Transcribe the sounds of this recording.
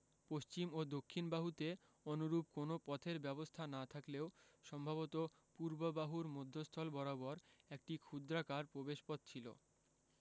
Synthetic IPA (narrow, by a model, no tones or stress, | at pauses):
poʃt͡ɕimod̪okʰːinbaɦut̪e | onoɾup̚konopɔt̪ʰeɾbɛbost̪ʰanat̪ʰakleoʃɔmbʱaβot̪o | puɾbobaɦuɾmod̪ʱːost̪ʰɔlbɔɾabɔɾek̚ʈikʰud̪ɾakaɾpɾobeʃpɔt̪̚t͡ɕʰilo̰